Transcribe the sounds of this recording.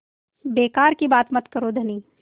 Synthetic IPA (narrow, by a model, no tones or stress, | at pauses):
beːkaːɾkibaːt̪mɐt̪kəɾod̪ʱɐniː